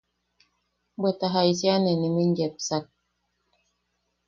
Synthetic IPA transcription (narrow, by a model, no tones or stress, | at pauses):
bɛtaɦaisianɛnimind͡ʒɛp̚sak̚